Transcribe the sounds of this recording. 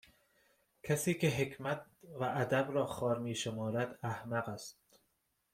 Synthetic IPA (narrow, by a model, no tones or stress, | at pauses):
cʰæsiːkʰe̞ɦe̞kʰmæt̪̚væʔːd̪æbɾɒːxɒːɾmiːʃe̞mɒːɾæd̪æhmæɢæst̪